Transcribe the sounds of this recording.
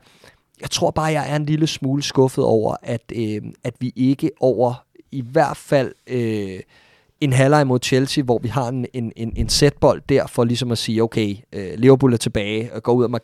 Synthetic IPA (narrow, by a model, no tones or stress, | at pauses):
jɑ̈ɪt͡sʰʁo̝ɐ̰b̥ɑ̈ːjɑ̈ɪʔæɐe̝nliləsmuːləsɡ̥ɔ̽fð̞̩ˠɒ̰ʊ̰ɐ̰ʔæd̥øæd̥ʋiʔe̝ɡ̥əʔɒʊ̰ɐ | iʋæɐ̰d̥fæl̰ø | e̝nɦælɑ̈ɪmo̝ð̰ˠt͡ɕʰelsiʋɒʋihɑ̈e̝ne̝ne̝ne̝nsed̥̚b̥ɒ̽l̰d̥̚ːæɐ̰fɒ̽lisɒ̽mæsiːoʊkʰeɪøle̝ʊɐb̥ʰulæɐt͡sʰeb̥ɛːɪɡ̥ɒ̰uð̞̰ˠæmɑ